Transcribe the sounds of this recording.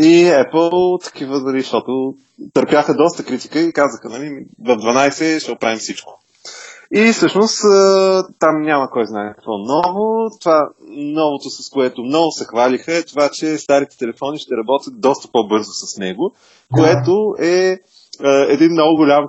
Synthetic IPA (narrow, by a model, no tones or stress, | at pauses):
iɛpəlˠt̪ɐ̥kivənɐliʃt̪ɔt̪ʊ | t̪əɾpʲjaxəd̪ɔst̪əkɾit̪i̥kəikazəxənɐlimivəvd̪vɐnajsɛʃt̪ɛopɾavimsit͡ʃko̥ | ifsɤʃnost̪ət̪amnʲaməkɔjznaɛkɐ̥kvɔnɔvot̪ovanɔvot̪ʊsɐskoɛt̪ʊmnɔɡʊsɛxvalixəɛt̪ovat͡ʃɛst̪aɾit̪ɛ̥t̪ɛlɛfɔniʃt̪ɛɾɐbɔt̪ʲjət̪̚d̪ɔst̪ə̥pɔbɤɾzʊsɐsnɛɡʊ | koɛt̪oɛ | əɛd̪inːɔɡʊɡʊlʲam